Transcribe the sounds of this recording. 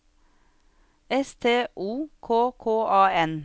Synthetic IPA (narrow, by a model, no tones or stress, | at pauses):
ɛst̪ʰeːʔuːkʰoːkʰoːʔɑːɛn